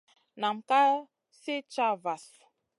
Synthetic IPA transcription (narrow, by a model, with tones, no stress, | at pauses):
na˨m̩˨ka˦ | si˦t͡ʃa˦va˨s